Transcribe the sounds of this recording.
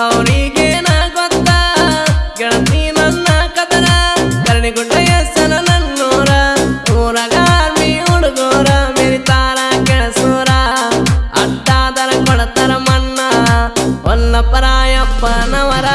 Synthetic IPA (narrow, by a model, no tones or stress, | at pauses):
ɐʋɾiɡeːnɐɡɔt̪ːɐ | ɡɛɳɐt̪inɐnːɐkɐt̪ɐɾɐkɐɾɐniɡuɳːɐjesɐnɐnɐnːoːɾɐuːɾɐɡɐaɾmiuɽuɡoːɾɐmeɾit̪aːɾɐkɛɳɐsoːɾɐ | ɐ̰ɖːaːd̪ɐɾɐkɔɽɐt̪ɐɾɐmɐnːɐ | ɔlːɐpɐɾaːjɐbːɐnɐʋɐɾɐ